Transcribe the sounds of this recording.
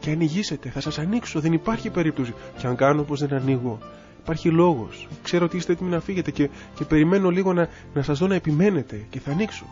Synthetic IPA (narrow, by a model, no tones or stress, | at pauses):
ce̞ɐniʝise̞t̪e̞θɐsɐsɐnikso̞ðe̞nipɐɾçipe̞ɾip̚t̪o̞siceɐŋɡɐnopo̞zðe̞nɐniɣo̞ | ipɐɾçilo̞ɣo̞̰skse̞ɾoot̪iist̪et̪iminɐfiʝe̞t̪ece | ce̞pe̞ɾime̞no̞liɣo̞nɐ | nɐsɐzðo̞nɐepime̞ne̞t̪e̞ce̞θɐːnikso̰